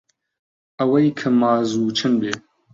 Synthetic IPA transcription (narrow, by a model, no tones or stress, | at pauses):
ɐwɐjkʰɐmaːzuːt͡ʃʰɨnbeː